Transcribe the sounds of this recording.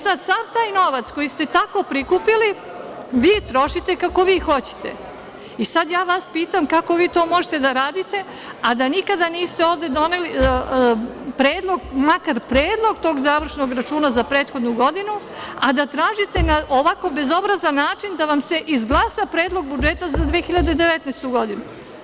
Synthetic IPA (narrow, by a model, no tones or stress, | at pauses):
sad̪saʋt̪aːjno̞ʋat̪sko̞jist̪e̞t̪ako̞pɾikupili | ʋiːt̪ɾo̞ʃit̪e̞kako̞ʋiːxo̞t͡ɕe̥t̪e̞̰ | isad̪jaːʋaspiːt̪amkako̞ʋiːt̪o̞ːmo̞ʒet̪e̞d̪aɾaːd̪it̪e̞ | ad̪anikad̪aniːst̪eo̞ːʋd̪e̞d̪o̞neli | pɾe̞ːd̪lˠo̞ɡmakaɾpɾeːd̪lˠo̞ɡt̪o̞ːɡzaːʋr̩ʃno̞ɡɾat͡ʃuːnazapɾeːt̪xo̞d̪nuɡo̞d̪inu | a̰d̪at̪ɾaːʒit̪enaʔoʋako̞be̞zo̞bɾazanːaːt͡ʃind̪aʋamse̞ʔizɡlˠasapɾe̞ːd̪lˠo̞ɡ̚bud͡ʒet̪azad̪ʋeːxiʎad̪ed̪eʋet̪nest̪uɡo̞d̪inu